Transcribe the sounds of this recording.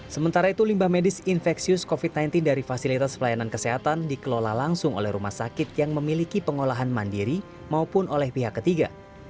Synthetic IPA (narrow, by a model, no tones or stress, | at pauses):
səmənt̪aɾait̪ulimbahmedɪsinfɛksiʊskofit̪̚najnt̪ɪndaɾifasilit̪aspəlajanankəseɦat̪andikəlolahlaŋsʊŋo̰lɛhɾuma̰hsakɪt̪̚jaŋməmilikipəŋolaɦanmandiɾi | maupʊnolɛhpiɦakːət̪iɡa̰